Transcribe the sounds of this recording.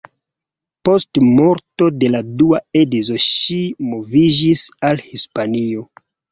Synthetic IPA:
po̞stmo̞ɾto̞de̞laduaedizo̞ʃimo̞vid͡ʒisalhispanio̞

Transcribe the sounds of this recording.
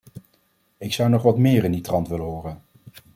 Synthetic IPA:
ɪksʌwnɔχʋɑtmɪːrɪnditrɑntʋɪləɦʊːrən

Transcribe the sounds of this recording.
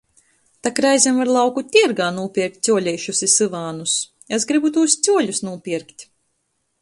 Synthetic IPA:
t̪akɾajzʲimvaɾlˠawkut̪ʲiɛɾɡaːnuɔpʲiɛɾk̚t̪̚ʲsʲuɔlʲɛjʃusisɨvaːnus | es̬ɡɾibut̪̬uːst̪sʲuɔlʲusnuɔpʲiɛɾkt̪ʲ

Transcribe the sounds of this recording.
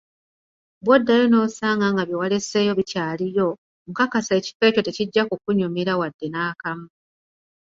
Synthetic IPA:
bwodːajono̞saːŋɡaŋɡaβjiwale̞se̞ːjo̞βicaːlijo̞ | mukakasaeci̥fe̞co̞te̞ciɟːakukuɲumiɾawadːe̞naːkamu

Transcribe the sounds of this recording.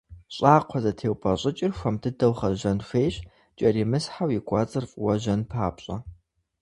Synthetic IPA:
ɕʼaːqʷʰɔzɐtʰeːwpʰʼɐɕʼɪt͡ʃʼɪrxʷɐmdʰɨdɐwχɐʒɐnɕʷeːɕ | t͡ʃʼɐrimɨsħawjikʷʼɑt͡sʼɨrfʼwɐʒɐnpʰaːpɕʼɐ

